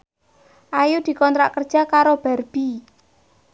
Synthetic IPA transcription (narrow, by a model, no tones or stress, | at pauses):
ʔajud̪̥i̤kɔnt̪ɾa̰ʔkərd̥ʒ̥akaɾob̥ɛrb̥i